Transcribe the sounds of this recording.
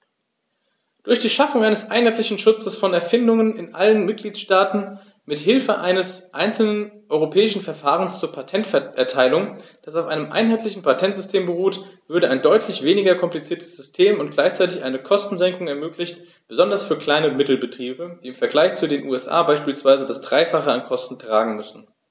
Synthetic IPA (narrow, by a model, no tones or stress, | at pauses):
d̥ʊɐçd̥iːʃafʊŋʔaɪnəsʔaɪnɦhaɪtlɪçn̩ʃʊt͡səsfɔnɛɐfɪndʊŋənɪnʔa̰lənmɪt̚ɡ̥liːtʃtaːtn̩ | mɪthɪlfəʔa̰ɪnəsʔaɪnt͡sl̩nənʔɔʏʁopʰɛːɪʃn̩fɛɐfaːʁənst͡suːɐpʰatʰɛntfɛʔɛɐtʰaɪlʊŋd̥asaʊfʔaɪnəmʔa̰ɪnɦaɪtlɪçn̩pʰatʰɛntz̥ʏstʰeːmbəʁuːtv̥ʏɐɾəaɪndɔʏtʰlɪçv̥eːnɪɡɐkʰɔmplit͡siːɐtʰə̥sz̥ʏstʰeːmʊntɡ̥laɪçt͡saɪtɪçʔaɪnəkʰɔstn̩zɛŋkʊŋɛɐmøːklɪçt | b̥əzɔndɐsfyːɐkl̥aɪnəmɪtl̩bətʁ̥iːbəd̥iːɪmfɛɐɡlaɪçt͡sudeːnʔuːɛsʔa̰ːbaɪʃpiːlsv̥aɪzədasd̥ʁaɪfaχəankʰɔstn̩tʁ̥aːɡŋ̩mʏsn̩